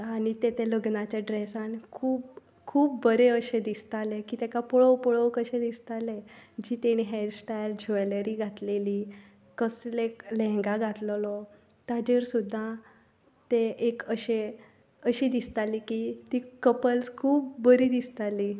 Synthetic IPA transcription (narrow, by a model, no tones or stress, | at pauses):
añit̪et̪eləɡnat͡ɕjaɖɾesankʰuːp̚ | kʰuːpbəɾeəɕed̪ist̪alekiːt̪ɛkapɔɭəwpɔɭəwkəɕẽd̪ist̪alẽd͡ʑiːt̪eɽ̃iːɦɛʈsʈajld͡ʑʱojləɾiːɡʱat̪leliː | kəsleklɛ̃ŋɡaɡʱat̪llɔ | t̪ad͡ʑeɾsud̪ʱːa | t̪eʔekəɕe | əɕiːd̪ist̪alikit̪ikəpəlskʰuːp̚bəɾiːd̪ist̪ali